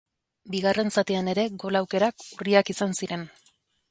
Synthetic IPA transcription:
biɣare̞nsat̪iane̞ɾe̞ɡo̞lawke̞ɾakuriakisansiɾe̞n

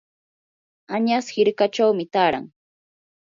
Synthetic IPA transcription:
aɲashɪɾkat͡ʃawmɪt̪aːɾa̰ŋ

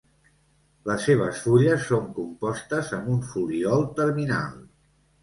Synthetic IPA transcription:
ləsːeβ̞əsfuʎəsːoŋkumpɔst̪əzəmbuɱfuliɔlˠt̪əɾmina̰lˠ

